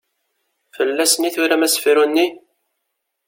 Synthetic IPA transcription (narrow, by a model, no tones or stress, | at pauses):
fəlːæsəniθʊɾæmæsfiɾunːi